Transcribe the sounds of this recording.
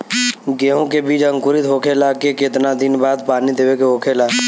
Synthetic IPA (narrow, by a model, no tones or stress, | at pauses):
ɡeːɦõkebiːt͡ʃə̃ŋkʊɾɪt̪ɦoːkʰelaːkekɪt̪nad̪ɪnbaːd̪paːnid̪eːʋekeɦoːkʰelaː